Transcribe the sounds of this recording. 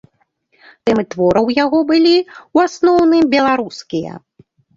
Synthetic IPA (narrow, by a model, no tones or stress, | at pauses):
t̪ɛmɨt̪vɔɾɐwjaɣɔbɨlʲiwasnɔwnɨmbʲɛlˠaɾuskʲijɐ̰